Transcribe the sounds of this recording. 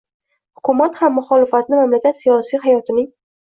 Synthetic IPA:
hʊkʰʊmat̪hamːʊχɒlɪfat̪nɪmamlakʲat̪sijɒsiɦajɒt̪ʰɪnɪŋ

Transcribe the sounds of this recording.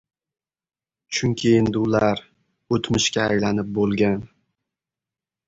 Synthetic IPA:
t͡ʃʰʊŋkʲʰiend̪ɪʊlaɾ | ot̪mɪʃkʲaːjlanɪp̚bolˠɡʲan

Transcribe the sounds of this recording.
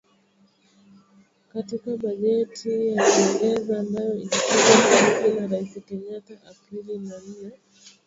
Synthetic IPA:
katikaɓaʄɛtʰijakɛfɛðaːmbajɔitakukakahikinaɾaisikɛɲataʔapilinania

